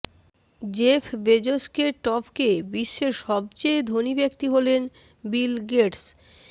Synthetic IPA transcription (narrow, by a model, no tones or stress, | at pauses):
d͡ʑefʰbed͡ʑoskeʈɔpʰkebiʃːeɾʃɔb̚t͡ɕejd̪ʱonibekt̪iɦolen | bilɡeʈs